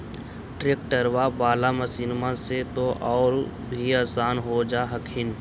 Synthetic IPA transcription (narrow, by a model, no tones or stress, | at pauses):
ʈɾɪkʈəɾwabaːlaməsiːnmãset̪oʔɔːɾ | bʱiaːsaːnɦod͡ʒaːɦəkʰɪn